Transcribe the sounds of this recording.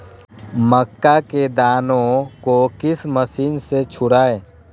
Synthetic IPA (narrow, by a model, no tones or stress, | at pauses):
məkːaked̪aːnõkokɪsməsiːnset͡ʃʰʊɽaːeː